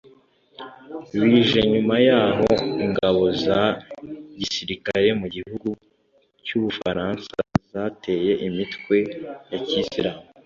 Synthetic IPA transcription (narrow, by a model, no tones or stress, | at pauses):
wiːʒe̞ɲumajaːɦo̞iŋɡaβo̞za | ɟisiɾikaɾe̞muɟihuɡu | cuβufa̰ɾaːnsa̰zate̞je̞ʔimitkwe̞jacisiɾaːmu